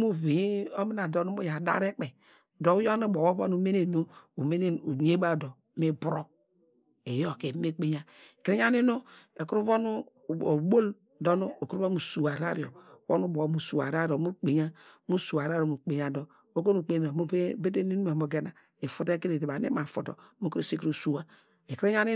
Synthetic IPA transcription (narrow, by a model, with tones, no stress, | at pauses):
mu˦ve˨˦o˦mi˦na˨do˨nu˦mu˦ja˨da̰˦ɾe˦k͡pe˨ | do˨˦jo˦no˦bo˨wo˦βo̰˦nu˦me˦ne˨nu˦u˨me˦n˦˨u˨ɲe˦ba˦˨do˨˦mi˦bu˦ɾo˦ | e˨jo˦˨ke˨˦me˦k͡pe˦ɲa˨kɾi˦ɲ˦a˦ni˦no˦e˨kɾu˦βo˦nu˦˨ | o˨bo˦l | do˦nu˦o˨ko˦u˨su˨wa˨ɾa˦ɾjo˨wo̰˦nu˦bo˨˦mu˨su˨a̰˨ɾa˦ɾo˨mu˦k͡pe˨ɲa˦mu˦su˨a˨ɾa˦ɾo˨mu˨k͡pe˨ɲa˨do˨ | o˦ko˦nu˨k͡pe˨o˨m˦be˦te˦ni˦nu˦e˨mo˨ɡe˦na˨ | e˨fu˦te˦ke˦ɾe˨de˨ba˨nḛ˦ma˨fo˨to̰˨˦mo˦kɾe˦˨si˦kɾu˦˨su˦wa˦˨ | e˨kɾe˦ɲa˦ni˦